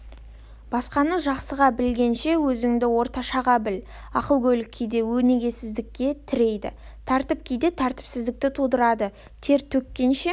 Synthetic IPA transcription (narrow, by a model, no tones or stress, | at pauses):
b̥ɑsqɑnəʒɑqsəʁɑbɪlɡʲe̞nʃe̞wɵzɪŋd̪ɪwo̞ɾt̪ɑʃɑʁɑbɪl | ɑqəlˠɡʲʰɵlɪkʲʰːejd̪e̞wɵne̞ɡʲe̞sɪzd̪ɪkʲːe̞t̪ʰɪɾe̞jd̪ɪ̰ | t̪ʰɑɾt̪əp̚kʲʰejd̪e̞t̪ʰɑɾt̪ɪ̥psɪzd̪ɪk̚t̪ɪt̪ʰud̪əɾɑd̪ə | t̪ʰe̞ɾt̪ʰɵkʲːe̞nʃe